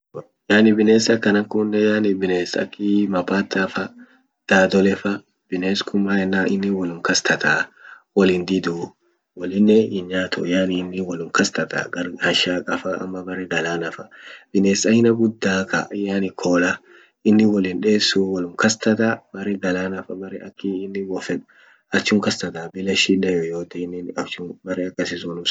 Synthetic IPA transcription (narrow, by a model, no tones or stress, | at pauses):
jaːnɪbɪneːsɐkːɐnɐŋkʊnːɛjaːnɪbɪneːsɐ̰kːɪmɐpaːt̪ːafɐ | d̪̥aːd̪ɔlɛfɐ | b̥ɪneːskʰʊmːaːɛnːaːʔɪnːɪwɔlʊmkɐst̪ʰɐt̪aː | wɔlɪnd̪ɪd̪u | wɔlɪnːɛɪnɲaːt̪ʰɔ̰jaːnɪːnːɪwɔlʊmkɐst̪ɐt̪a̰ɡɐɾhɐʃaːkʼɐfɐɐ̰mːɐbɐrɛɡɐlaːnɐfɐ̥b̥ɪneːsɐhɪnɐɡʊd̪ːaːkɐ̰jaːnɪkʰoːlɐ | ɪnːɪwɔlɪnᶑeːsːuwɐlʊmkɐst̪ɐt̪abɐɾɛɡɐlaːnɐfɐbɐrɛɐkːɪɪnːɪwɔfɛᶑʊ̥ | ɐt͡ʃːʊŋkɐst̪ɐt̪aːbɪlɐʃɪnɛjɔjoːt̪ɛnːɪnɐt͡ʃːʊbɐrɛɐkːɐsɪsɔnʊm